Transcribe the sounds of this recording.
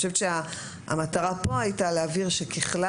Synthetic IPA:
ʃevet̪ʃea | a̰mataʁapo̞ajitaleaviʁʃe̞kʰeχla

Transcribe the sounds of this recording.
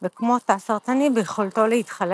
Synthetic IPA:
vekmo̞t̪asaʁt̪animvejeχolto̞leitχal

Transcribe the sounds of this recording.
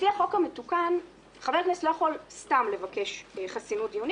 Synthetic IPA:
iaχo̞kametukan | χavekneslo̞jaχo̞lstamle̞vake̞ʃχasinutiun

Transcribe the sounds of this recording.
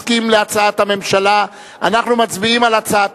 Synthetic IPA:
kimleat͡saat̪hame̞mʃala | anaχnumat͡sbiimalat͡saat

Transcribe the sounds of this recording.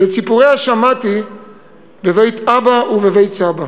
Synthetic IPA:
let͡sipuʁehaʃamati | bevejt̪abauvevejt͡saba

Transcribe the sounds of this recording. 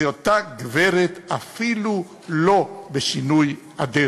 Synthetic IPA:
jot̪aɡveɾet̪afilu | lobeʃinuj | ad̪e

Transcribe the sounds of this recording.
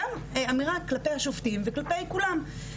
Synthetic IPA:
am | eamiʁaklapejhaʃoft̪imveklape̞jkulam

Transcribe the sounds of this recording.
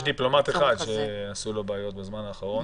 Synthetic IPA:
ʃd̪iplo̞mat̪eχad̪ʃeasulo̞baːjo̞t̪̚bezmanhaːχaʁon

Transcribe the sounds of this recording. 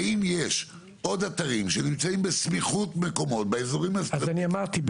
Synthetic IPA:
imje̞ʃ | ʔo̞d̪ataʁimʃenimt͡saimbesmiχutmeko̞mo̞tbeezoʁimazazaniamaʁt̪i

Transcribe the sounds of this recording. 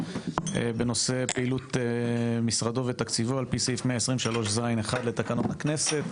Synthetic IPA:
ḛbe̞no̞se̞peilut̪ | misʁado̞vet̪akt͡sivoalpisifmeaesʁimʃalo̞ʃzajneχad̪le̞t̪akanot̪akne̞set̪

